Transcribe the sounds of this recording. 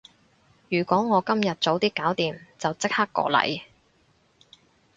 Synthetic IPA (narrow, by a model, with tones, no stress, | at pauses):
jyː˨˩kʷɔː˨˥ŋɔː˨˧kɐ˥mjɐ˨t̚t͡so˨˧wt̪iː˥kːaː˨˥wt̪iː˨mt͡sɐ˨wt͡sɪ˥k̚haː˥kːɔ̰ː˧lɐ̰˨˩j